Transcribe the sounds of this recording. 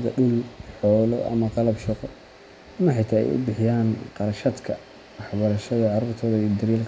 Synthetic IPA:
ðɐɖʊlħɔːlɔ̰ʔɐ̰mɐqɑlɐbʃɑqɔ | ɐmɐħɑjt̪ʰaɛ̰jʊ̰bɪħɪjaːnqɑɾɐʃɐd̪kʰɐ | wɑħbɐɾɐʃɐðɐʕɑɾuːrt̪ʰɔːðɐid̪ɐɾiːlk

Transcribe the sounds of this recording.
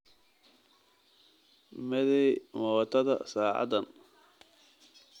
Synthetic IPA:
mɛðɛjmɔt̪ʰɐðɐ̰saːʕɑ̰d̪ɐn

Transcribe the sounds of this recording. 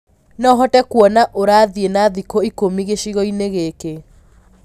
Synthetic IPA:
nɔɦɔtɛkwɔnaʔoɾaːðienaðikoikomiɣeʃiɣɔineɣeke

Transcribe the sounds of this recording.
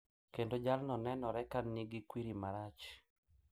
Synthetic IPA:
kendod͡ʒalnɔnɛnɔɾɛkanːiɡɪkwiɾimaɾat͡ʃ

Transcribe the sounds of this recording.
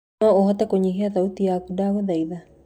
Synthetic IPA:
ɔohɔt̪akoɲiɦiaðaut̪iakudaːɣoðaiða

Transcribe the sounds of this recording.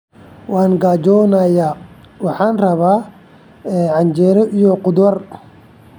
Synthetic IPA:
waːnɡaːd͡ʒɔːnajaː | wɑħaːnrɐβaː | ɛːʕɑnd͡ʒɛːɾɔʔijɔqʊd̪ɐr

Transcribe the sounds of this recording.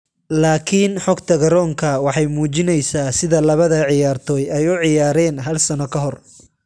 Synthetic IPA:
laːkʰinħɔɡt̪ʰɐɡɐɾɔːŋkʰɐwɑħɑjmuːt͡ʃɪnɛjsaːsɪðɐlɐβɐðɐʕɪjaːrt̪ʰɔːjɛjʊʕɪjaːɾɛːnɦɐlsɐnɔkʰɐɦɔr

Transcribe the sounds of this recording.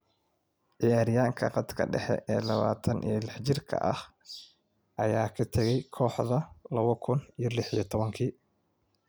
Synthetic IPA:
ʕɪjaːɾɪjaːŋkʰɐ̰qɑd̪kʰɐ̰ɖɛħɛ̰ʔɛːlɐβa̰ːt̪ʰɐnʔijlɛħt͡ʃɪrkʰɐ̰ʔɐ̰h | ʔɐjaːkʰɐt̪ʰɐɣɛjkʰɔːħðɐlɐβɐkʰʊnijɞlɪħijɞt̪ʰɔβɐŋkʰiː

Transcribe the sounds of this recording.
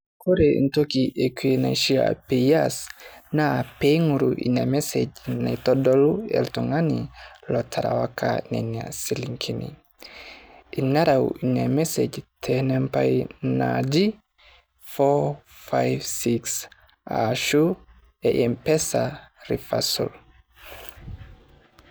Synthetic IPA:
koɾeintokiʔekienaʃia̰piasnapeŋuɾuʔḭnamɛsed͡ʒnaitɔdɔluɛ̰ltuŋanilɔtʰaɾa̰wakʰa̰nena̰siliŋkʰinḭ | inːaɾawiɲamɛsed͡ʒtʰɛnɛmpajnad͡ʒi | fɔ | fajvsiks | aʃu | ɛʔɛmpɛsaɾifasṵl

